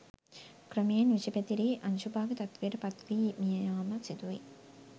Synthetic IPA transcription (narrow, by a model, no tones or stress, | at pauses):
kɾɐmeːnʋit͡ʃipɐt̪iɾiʔɐnt͡ʃubaːɡɯt̪ɐt̪ʋiɾpɐt̪ʋiːmijɐjaːmɐsit̪uḭ